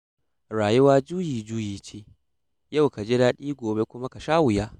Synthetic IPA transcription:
ɽaː˨jʊ˦waː˦d͡ʒuː˦jiː˨d͡ʒuː˦jiː˨t͡ʃeː˦ | ja˦˨wka˨d͡ʒe˦daː˦ɗiː˦ɡʷoː˨be˦kʷʊ˦ma˦ka˨ʃaː˦wʊ˨jaː˦

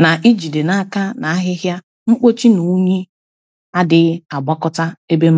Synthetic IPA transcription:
na˨ʔi˦d͡ʒi˨de˨na˦ka˦na˨a˦ɦɪ˦ɦja˦ | ŋ͡m̩˦k͡po˦t͡ʃi˦nu˨˦ɲi˦ | a˦dɪ˦a˨ɡ͡ba˦kɔ˦ta˦e˦be˦m̩˦

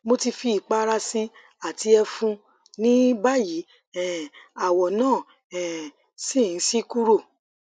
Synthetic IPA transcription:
mo˧ti˧fi˧˦i˨k͡pa˦˧ɾa˧si˦ | a˦˨ti˧˦ɛ˧fũ˧ | nĩ˦ba˦ji˨˦ | ɛ˨a˨wɔ˨nãː˦˨ | ɛ˨ | si˦˨n̩˨˦si˦ku˦ɾo˦˨

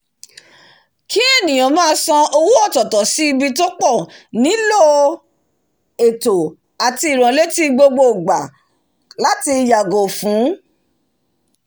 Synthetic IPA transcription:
ki˦e˦˨nĩ˨j̃ã˨mãː˦sɔ̃˧o˧wu˦ɔ˦˨tɔ˨tɔ˨si˨˦i˧bi˧to˦k͡pɔ˦˨nĩ˨˦lo˦˨ | e˨to˨ | a˨ti˧i˨ɾ̃ã˨le˦ti˦ɡ͡bo˧ɡ͡bo˦˨ɡ͡ba˨ | la˦ti˧ja˨ɡo˨fũ˨˦

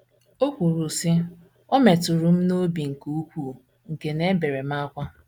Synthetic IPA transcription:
o˦kʷu˨ɾu˨si˦ | ɔ˦me˨tʊ˨ɾu˨m̩˦no˦bi˨ŋ̩˨ku˦u˦kʷu˦˨ | ŋ̩˨ke˨ne˦be˨ɾe˨m̩˦a˦kʷa˦

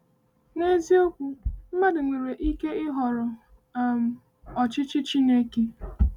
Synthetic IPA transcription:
ne˦zi˦o˦kʷu˨˦m̩˦ma˦dɪ˨ŋʷe˨ɾe˨ʔi˦ke˦ɪ˦ɦɔ˨ɾɔ˨ | a˨m̩˨ | ɔ˨t͡ʃɪ˦t͡ʃɪ˦t͡ʃi˦ne˦ke˦

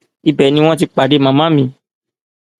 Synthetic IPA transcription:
i˧bɛ˨nĩ˧˦w̃ɔ̃˦ti˧k͡pa˨ɖe˧mã˨mã˦mĩ˧

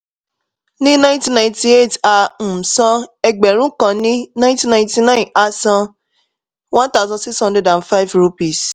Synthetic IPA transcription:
nĩ˦nã˦ĩ˦tĩ˧nã˧ĩ˨ti˧e˦˨ta˧˨sã˧ɛ˧ɡ͡bɛ˨ɾ̃ũ˦kã˧nĩ˦nã˦ti˧nã˧ĩ˧ti˧nã˦ĩ˨ʔa˧˦sã˧ | wɔ̃˦ta˦˨sã˧si˦sɔ̃˧nde˦dã˨n˨fa˦i˦˨vɾo˧pi˨s

